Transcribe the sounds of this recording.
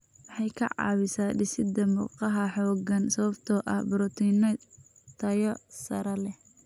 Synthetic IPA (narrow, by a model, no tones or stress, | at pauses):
wɑħɑjkʰɐʕɑ̰ːwɪsaːɖɪsɪd̪ɐmṵːqɑɦɐħɔːɡɐnsɐβɐbt̪ʰɔʔɐ̰hbʊɾɔt̪ʰiːnɐ | t̪ʰɐjɔsɐɾɐlɛh